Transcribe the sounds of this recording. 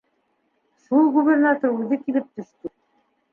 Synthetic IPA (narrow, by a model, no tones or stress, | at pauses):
ʃulˠɡuβʲernat̪oɾʉðɘkilɘp̚t̪ɵ̆ʃt̪ɵ